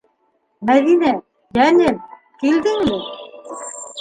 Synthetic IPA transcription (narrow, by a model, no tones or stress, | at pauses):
mæðinæ | jænɘm | kild̪ɘŋmɘ